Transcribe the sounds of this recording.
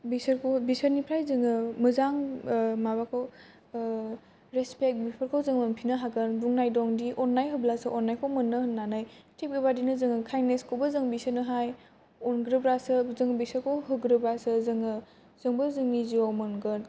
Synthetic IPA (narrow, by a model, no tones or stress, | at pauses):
bisɐɾkʰobisəɾnipʰɾajzɯŋɯmɯzaŋmabakʰow | ɾespek̚bipʰəɾkʰawzɯŋmɯnpʰinɯɦaɡɯnbuŋnajdɔŋdiʔɔnːajɦɯblasɯʔɔnːajkʰɔwmɯnːɯhɯnnːanajtʰep̚ɡibadinɯzɯŋɯkʰajneskʰowbɐzɯŋbisɯnɯɦaj | ɔnɡɾɯbɾasɯzɯŋbisəɾkʰowɦɯɡɾɯbɾasɯzɯŋɯ | z̥ɯŋbɯzɯŋniziɔwmɯnɡɯn